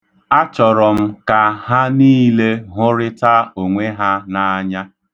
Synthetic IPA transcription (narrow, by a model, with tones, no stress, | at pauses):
a˦t͡ʃɔ˨ɾɔ˨m̩˦ka˨ɦa˦niː˦le˦ɦʊ˦ɾɪ˦ta˦o˨ŋʷe˦ɦa˦na˨a˦ɲa˦